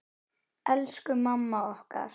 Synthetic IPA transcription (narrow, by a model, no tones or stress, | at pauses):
ɛlskʏmamːaɔhka̰ɾ